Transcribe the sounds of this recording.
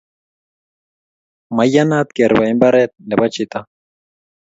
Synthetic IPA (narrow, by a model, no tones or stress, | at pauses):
majanat̪ɡeɾβajmbaɾet̪̚neβat͡ʃit̪a